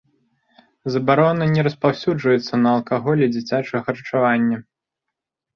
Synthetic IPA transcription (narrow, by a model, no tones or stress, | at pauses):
zɐbaɾɔnɐnʲɛɾɐspawsʲud͡ʐvɐjɛt̪sːɐnɐːlˠkaɣɔlʲɛd͡zʲit͡sʲat͡ʂɐxɐɾɐt͡ʂavanʲːɐ